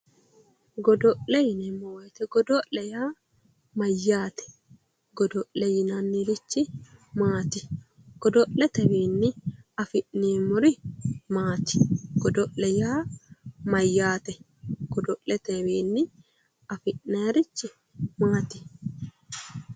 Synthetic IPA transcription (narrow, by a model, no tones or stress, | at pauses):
ɡɔd̪ɔʔlɛjɪnɛmːɔwɔjt̪ɛɡɔd̪ɔʔlɛjaː | mɐjːaːt̪ɛ̥ | ɡɔd̪ɔʔlɛjɪnɐnːiɾɪt͡ʃːɪmaːt̪ɪ | ɡ̥ɔd̪ɔʔlɛt̪ɛbeːnːɪɐfɪʔneːmʊɾɪmaːt̪ɪ̥ɡ̥ɔd̪ɔʔlɛjaːmɐjːaːt̪ɛ | ɡ̥ɔd̪ɔʔlɛt̪ɛweːnːɪ | ɐfɪʔneːɾɪt͡ʃːɪ | maːt̪ɪ̥